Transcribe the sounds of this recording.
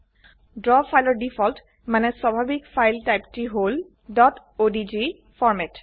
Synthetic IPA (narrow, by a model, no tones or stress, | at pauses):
dɹɔfʰajlɔɹdifʰɔlt | manɛswabʱabikfʰajltajptiɦol | dɔt | odid͡ʒi | fʰɔɹmɛt